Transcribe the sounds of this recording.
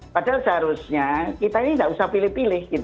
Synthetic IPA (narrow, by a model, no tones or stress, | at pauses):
padalsəɦaɾusɲakit̪ainindaʔusahpilɪhpilɪhɡit̪